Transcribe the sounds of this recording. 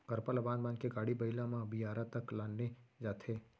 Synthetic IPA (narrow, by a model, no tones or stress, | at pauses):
kəɾpəlɐbaːnmãːnkeɡaːɽibəɪlãmãbijaːɾat̪əklaːnːed͡ʒaːt̪ʰeː